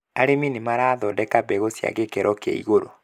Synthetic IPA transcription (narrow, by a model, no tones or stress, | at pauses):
aɾeminimaɾaːðɔdɛkabɛɣosja̰ɣekɛɾʔɔka̰ḭɣoɾo